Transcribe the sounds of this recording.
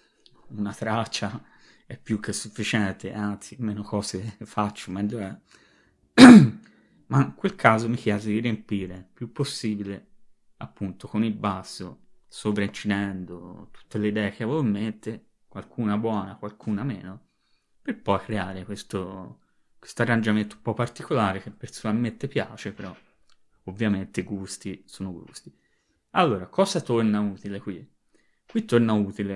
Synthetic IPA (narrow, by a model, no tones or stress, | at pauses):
unat̪ɾat͡ʃːaɛpːjukʰːesufːit͡ʃɛnt̪eant̪simeːnokɔːzefat͡ʃːomɛʎːoɛ | maiŋkwelkʰaːzomikjɛːzod̪iɾempiːɾepjupːosːiːbile | apːunt̪okonilbasːosopɾaint͡ʃinɛnd̪ot̪u̥t̪ːeleid̪ɛːek̟eavoment̪e | kwalkʰuːnabwɔːnakwalkʰuːnamɛ̰ːno | perpɔjkɾeaːɾekwest̪o | kwe̥st̪oarːand͡ʒament̪oumpɔpːart̪ikolaːɾek̟epːeɾsonalment̪epja̰ːt͡ʃepeɾɔ | ovːjament̪eɡust̪isoːnoɡṵst̪i̥ | alːoːɾakɔːzat̪ornauːt̪ilekwi | kwit̪ːornauːt̪ile